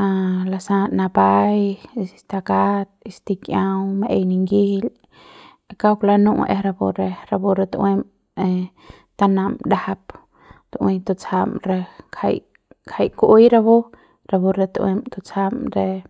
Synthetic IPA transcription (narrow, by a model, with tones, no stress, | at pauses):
alasa˧na˧pajt̪akat̪̚ist̪i˧kjawmeʔe˧jni˧ŋɡihil | kawpla˧nũ˦ʔʔe˧ɾa˧bo̰˧ɾe˧ɾa˧bu˧ɾa˧t̪we˧m | e | t̪a˧na˧md̪ahap | t̪u˧ʔwẽ˧jt̪o˧t͡sa˧mɾe˧kʰa̰˧j | kʰa˧jkʔu˦jɾabo˦ | ɾa˧bu˧ɾa˧t̪ʔwe˧mt̪o˧t͡sa˧mɾe